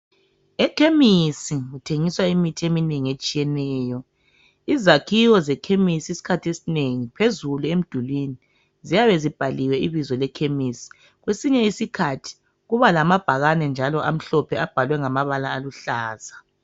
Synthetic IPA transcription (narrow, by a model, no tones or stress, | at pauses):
ɛkʰemisiɣutʰeŋiswaimitʰiemineŋiet͡ʃʼijɛnɛːjɔ | izakʰiwɔzɛkʰemisiisi̥kʰatʰesineŋipʰezuluem̩d̥ʱulwini | zijaβɛzib̥ʱaliwɛiβizɔlɛkʰemisi̥ | ɣwesiɲɛisikʰatʰi̥ | ɣuβalamab̥ʱaɣanɛnd͡ʒʱalɔʔam̩ɬɔpʰɛab̥ʱalwɛŋamaβalaːluɬaːz̥a